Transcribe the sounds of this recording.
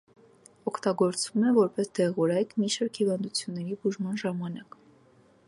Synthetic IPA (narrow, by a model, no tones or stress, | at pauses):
ɔkʰt̪ɑɡɔɾt͡svumɛvɔɾpɛsd̪ɛʁɔɾɑjkmiʃɑɾkhivɑnd̪ut͡sʰjunːɛɾibuʒmɑnʒɑmɑnɑk